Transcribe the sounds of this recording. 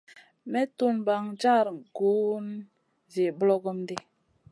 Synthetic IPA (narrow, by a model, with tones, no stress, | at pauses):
mɛ˦tu˦nba˨ŋd͡ʒa˦˨ɾɡu˨˦n | ze˨blo˦ɡo˦mde˦